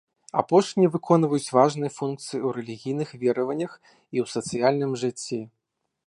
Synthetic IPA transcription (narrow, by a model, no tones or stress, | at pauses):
a̰pɔʂnʲiɛvɨkʰɔnvɐjut͡sʲvaʐnɨjɐfunk̚t̪sɨjiwɾɛlʲiɣʲijnɨxvʲɛɾɐvɐnʲːɐx | iwsɐt̪sɨjalʲnɨmʐɨt͡sʲːi